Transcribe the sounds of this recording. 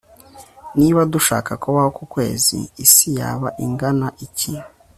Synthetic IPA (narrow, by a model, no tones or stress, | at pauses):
niβaduʃaːkakoβaho̞kukwe̞̰ːzḭːsija̰βaʔiŋɡanaʔici